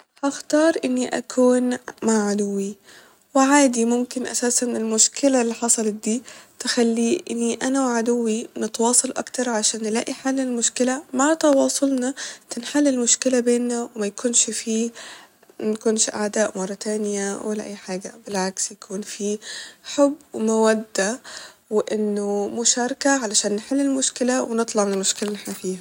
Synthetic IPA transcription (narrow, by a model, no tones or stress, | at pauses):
hʔaxt̪ɑːɾˤʔɪnːiʔa̰kʰuːnmaʕʕad̪ʊwːi | wɪʕaːd̪imʊmkɪnʔa̰saːsanɪlmʊʃkɪlalːiħɑsˤɑlɑt̪̚d̪iːt̪ɪxalːiːʔɪ̰nːiʔanawʕad̪ʊwːinɪt̪wɑːsˤɑlʔa̰kt̪ɑɾˤʕaʃaːnːɪla̰ːʔiħalːɪlmʊʃkɪlamaʕt̪ɑwɑːsˤʊlnɑt̪ɪnħalːɪlmʊʃkɪlabeːnːawmajkʰʊnʃfiː | nkʊnʃʔa̰ʕd̪aːʔmɑrˤːɑt̪aːnɪjawɪlaʔa̰jːħaːɡabɪlʕaksjakʰuːnfiːħʊbːwmawad̪ːawɪʔɪnːʊmʊʃaːɾˤkaʕalaʃaːnːɪħɪlːɪlmʊʃkɪlawɪnɨt̪ˤlɑʕmɪnɪlmʊʃkɪlaʔɪħnafiːha